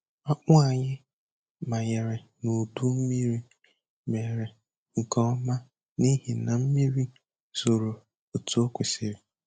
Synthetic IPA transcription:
ɔ˦k͡pʊ˦a˨ɲɪ˦ | ma˨je˨ɾe˨ | no˨du˦m̩˦mi˦ɾi˦ | me˨ɾe˨ | ŋ̩˨kɔ˦ma˦ | ni˦ɦi˨na˨m̩˦mi˦ɾi˦ | so˨ɾo˨ | o˨tu˦o˦kʷe˨si˨ɾi˨

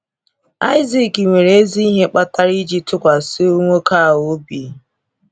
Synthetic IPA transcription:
a˦ɪ˦zi˨ki˨ŋʷe˨ɾee˦zi˦i˦ɦe˦k͡pa˦ta˦ɾi˦d͡ʒi˦tʊ˦kʷa˨si˦o˦ŋʷo˦ka˦˨ɦo˨˦bi˨

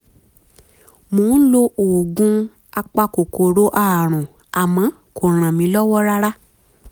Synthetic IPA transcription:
mõː˨˦lo˦ʔoː˨ɡũ˦ | a˧k͡pa˧ko˨ko˨ɾo˨˦ʔa˦˨ɾ̃ũ˨ | a˨mã˨˦ | ko˨ɾ̃ã˨mĩ˨˦lɔ˦wɔ˦ɾa˦ɾa˦

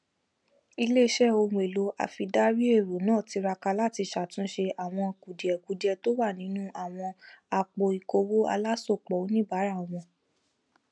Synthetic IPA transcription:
i˧le˦ʃɛ˦˨o˧wũ˧e˨lo˨˦a̰˨fi˧da˦ɾi˦e˦˨ɾo˨˦nãː˦˨ti˨˧ɾa˧ka˧la˦˨ti˧ʃa˨tũ˨˦ʃe˧a˨w̃ɔ̃˧ku˨di˨ɛ˨ku˨˦di˨ɛ˧to˦wa˦˨nĩ˨˦nũ˦ʔa˦˨w̃ɔ̃˧a˧k͡po˧i˨ko˧wo˦a̰˧la˦so˦˨k͡pɔ˨o˨˦nĩ˦ba˨˦ɾa˦˨w̃ɔ̃˧

